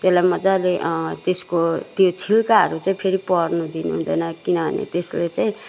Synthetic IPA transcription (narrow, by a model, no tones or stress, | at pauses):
t̪eslajmʌd͡zaleʔt̪eskot̪jot͡sʰilkaɦʌɾut͡saĩpʰeɾipʌrnud̪inuɦṵnd̪ʌjnʌkinʌbʱʌ̰nḛt̪eslet͡saĩ